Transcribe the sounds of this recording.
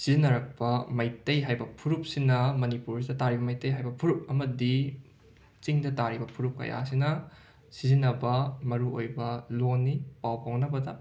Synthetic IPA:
sizinɐɾɐk̚pɐmɐjtɐjɦajbɐpʰuɾup̚sinɐmɐnipuɾidɐtaɾibɐmɐjtɐjɦajbɐpʰuɾup̚ɐmɐdi | t͡ʃiŋdɐtaɾibɐpʰuɾup̚kɐ̰ja̰sinɐ | sizinɐbɐmɐɾuojbɐlonːipawpawnɐbɐdɐ

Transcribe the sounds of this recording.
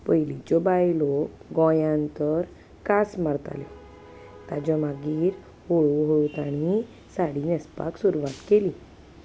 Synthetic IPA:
pəjlit͡ɕɔbajlɔɡɔ̃jãnt̪əɾ | kasmaɾt̪a̰ljɔ | t̪ad͡ʑɔmaɡiːɾ | hoɭuɦowt̪aɽ̃i | saɽinɛspa̰ksuɾuʋat̪keli

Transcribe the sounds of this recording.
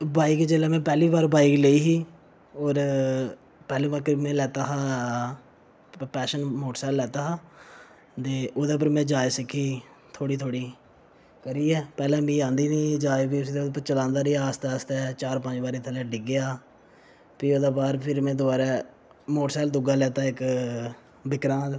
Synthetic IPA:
baːɪkd͡ʒeːlɛːmɛ̃ːpɛːliːbaːɾbaːɪkleiːɦiː | oːɾ | pɛːlĩːbəːkɾɪbmẽːlɛːt̪aːɦaː | pɛːʃənmoːʈsɛːlːɛːt̪aːɦaː | t̪eːʔoːd̪eːp̬əɾmɛ̃ːd͡ʒaːeːsɪkʰːiː | t̪ʰoːɽiːt̪ʰoːɽiː | kəɾiːɛːpɛːlɛ̃ːmĩːãːnd̪iːnĩːd͡ʒaːepiʊsiːd̪eːpəɾt͡ʃəlãːnd̪aːɾiːaːst̪aːst̪ɛːt͡ʃaːɾpə̃ɲd͡ʒbaːɾiːt̪ʰəlɛ̃ːɖɪɡɪaː | piːoːd̪aːbaːɾpʰɪɾmẽːd̪ʊaːɾɛː | moːʈsɛːld̪ʊɡaːlɛːt̪aːɪk | bɪkɾãːt̪

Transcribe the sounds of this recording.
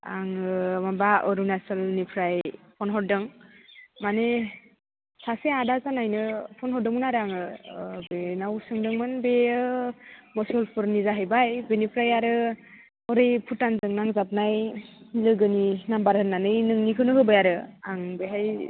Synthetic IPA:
a̰ŋmabaɔɾunasɯlnipʰɾajpʰɔnɦɔt̚dɯŋ | mane | sʰaseadazanajnɯpʰɔnɦɔdɯŋunaɾaŋɯbenawsɯŋdɯŋmɯnbeɯmɔsɔlpʰɯɾnizaɦajbajbenipʰɾajaɾɯ | ɔɾɯjpʰutːanzɯŋnaŋzap̚najlɯɡɯninambaɾhɯnːanɯjnɯŋnikʰɯnɯɦɯbɯjaɾɯaŋbeɦaj

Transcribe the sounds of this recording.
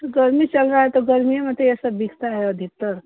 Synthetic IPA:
t̪ɡəɾmit͡ʃəlɾaɦet̪oɡəɾmieməd̪ʱjeesəbːikʰt̪aɾaɦeəd̪ʱik̚t̪əɾ

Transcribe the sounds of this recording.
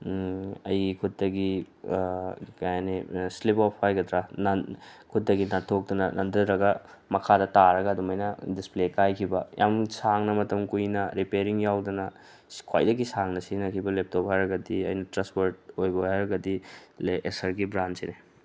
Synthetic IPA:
ɐjɡikʰut̚dɐɡi | kajanislipɔpʰːajɡɐdɾanɐkʰut̚dɐɡinatʰok̚dɐnɐnʔɐ̰ndɐɾɐɡɐ | mɐkʰadɐtaɾɐɡɐːdumɐjnɐdisplekajkʰibɐjʔa̰msaŋnɐmɐtɐmkujnɐɾipeɾiŋjawdɐnɐ | kʰwa̰jdɐɡisaŋnɐsinɐkʰibɐlep̚tophaɾɐɡɐdiɐjnɐtɾaspoɾt̚ojbɐajɾɐɡɐdileʔesɐɾɡibɾantsine

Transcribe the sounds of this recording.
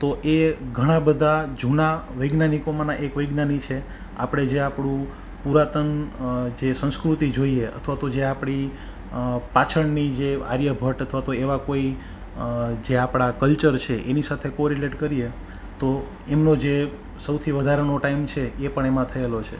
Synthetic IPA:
t̪oʔeɡʱəɽ̃ãbəd̪ʱad͡ʒʱunaʋəjɡnanikomãnãʔekʋəjɡnanit͡ʃʰe | a̰pɽ̃ed͡ʒeapɽũ | puɾat̪ənd͡ʒesə̃ñskɾut̪id͡ʒoieʔə̰t̪ʰʋat̪od͡ʒeapɽ̃i | pat͡ʃʰəɳnid͡ʒea̰ɾjəbʱəʈət̪ʰʋat̪oeʋakoi | d͡ʒeapɽ̃akəlt͡ʃəɾt͡ʃʰeʔenisat̪ʰekoɾileʈkəɾije | t̪o | emnod͡ʒe | səwt̪ʰiʋəd̪ʱaɾnoʈaimt͡ʃʰeepəɳemãt̪ʰəelot͡ʃʰḛ

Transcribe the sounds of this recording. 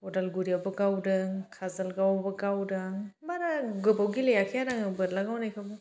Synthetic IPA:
ɔdalɡuɾijawbɐɡawdɯkʰazalɡawbɐɡawdɐmaɾaɡɯbawɡilejakʰijaɾaŋɯbɯlaɡawnajkʰabɯ

